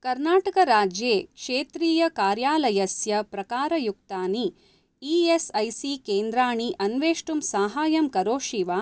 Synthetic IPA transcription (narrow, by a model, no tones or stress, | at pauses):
kɐɾnaːʈɐkɐɾaːd͡ʒjeːkʂeːt̪ɾiːjɐkaːɾjaːlɐjɐsjɐpɾɐkaːɾɐjuk̚t̪aːni | iesɐjsikeːnd̪ɾaːɳiʔɐnʋeːʂʈumsaːɦaːjɐmkɐɾoːʃiʋaː